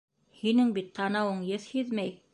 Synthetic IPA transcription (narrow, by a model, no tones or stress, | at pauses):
hinɘŋbit̪ːɑnɑwɤɴjɤθhiðmæj